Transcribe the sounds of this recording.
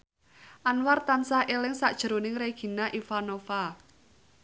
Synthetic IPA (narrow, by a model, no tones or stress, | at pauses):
ʔanwart̪ansaʔelɪŋsaʔd̥ʒ̥ə̤ɾonɪŋreɡ̥i̤naʔifanofa